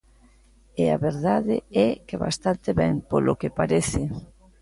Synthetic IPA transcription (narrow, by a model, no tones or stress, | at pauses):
ɪa̰βeɾðaðɪ̰ɛkeβa̰st̪ant̪ɪβɛŋpolokepaɾeθɪ